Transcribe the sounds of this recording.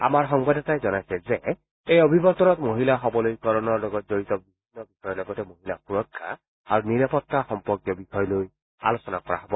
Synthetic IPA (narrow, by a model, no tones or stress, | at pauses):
a̰maɾɦɔŋbadɔt̪ajzɔnajsɛze | ejɔbʱibɔt̪ɔnɔt̪moɦilaɦɔbɔlojkɔɾɔnɔɾlɔɡɔt̪d͡ʒoɾit̪ɔbibʱinːɔbixɔjɔlɔɡɔt̪emoɦilapuɾɔkʰːa̰ | aɾuniɾapɔt̪ːaxɔmpɔɾkjɔbixɔjɔloj | a̰losɔnakɔɾa̰ɦɔbɔ